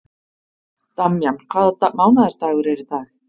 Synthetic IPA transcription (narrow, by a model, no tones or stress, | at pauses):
t̪amjam̥kʰv̥aːðat̪amaːwnaðɛɾ̥t̪aːɣʏɾɛɾɪt̪aɣ